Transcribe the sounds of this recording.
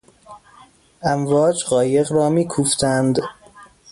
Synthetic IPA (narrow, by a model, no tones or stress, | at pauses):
ʔæɱvɒːd͡ʒɢɒːjeɣɾɒːmiːkʰuːft̪ʰænd̪